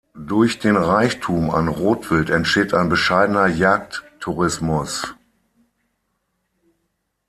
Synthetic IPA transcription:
dʊɐçd̥eːnʁaɪçtʰuːma̰nʁoːtv̥ɪltɛntʃteːtaɪnbəʃaɪdənɐjaːktʰː | uʁɪsmʊs

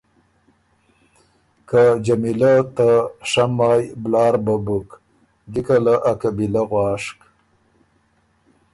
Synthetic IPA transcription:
kad͡ʒamilat̪aʂamɑːjblɑːɾbabuk | ɡikalaʔakabilaɣwɑːʂk

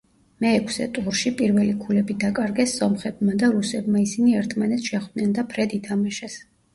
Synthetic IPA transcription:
mɛːkʰsɛ̰t̪ʼuɾʃipʼiɾvɛlikʰulɛbid̪akʼaɾɡɛsːɔmχɛbmad̪aɾusɛbmaisiniɛɾt̪ʰmanɛt̪sʃɛχd̪nɛnd̪apʰɾɛd̪it̪ʰamaʃɛs

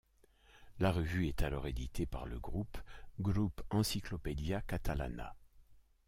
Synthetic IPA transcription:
laʁəvyɛt̪alɔʁed̪it̪ʰepaʁləɡʁupɡʁupɑ̃siklɔped̪jakat̪ala̰na̰

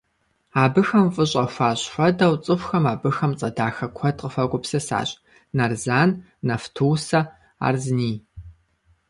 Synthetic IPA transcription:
aːbɨxɐmfʼɨɕʼɐxʷaːɕħʷɔdɐwt͡sʼɨfʷxɐmaːbɨxɐmt͡sʼɐdaːxɐkʷʰɐtʼqʼəfɐɡʷʊpsɐsa̰ːɕʼ | nɐrzaːnː | ɐftʰuwsɐ | a̰ːrzniː

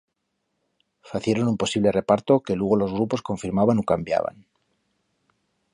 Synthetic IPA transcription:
faθje̞ɾo̞numpo̞siβ̞le̞re̞paɾt̪o̞ke̞lweɣ̞o̞lo̞zɣ̞ɾupo̞sko̞ɱfiɾmaβanukambja̰βa̰n

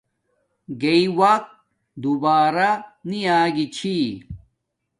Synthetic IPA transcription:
ɡeiwɐq̚ | d̪ubaːɾaniaːɡit͡ɕʰi

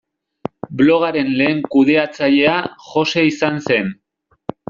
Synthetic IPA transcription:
blo̞ɣaɾe̞nle̞ːŋkuð̞e̞at͡saʎe̞aʝo̞se̞isanse̞n

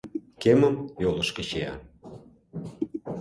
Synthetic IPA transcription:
keməmjolə̆ʃkə̆t͡ɕeɑ̰

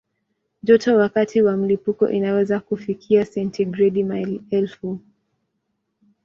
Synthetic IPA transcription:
ʄɔtɔwakatiwam̩lipukɔ̰ʔinawɛzakufikʰiasɛntiɡɾɛdimalɛlfu

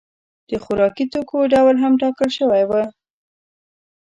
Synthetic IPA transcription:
d̪̥əxʊɾɑkit̪okoɖawlɦamʈɑkəlʃəwajwa

